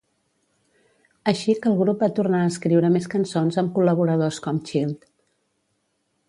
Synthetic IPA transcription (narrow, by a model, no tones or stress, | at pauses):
əʃikəlˠɣɾup̚bat̪urnaəskɾiwɾəmeskənsonzəmkuləβuɾəð̞oskɔmt͡ʃilˠd̪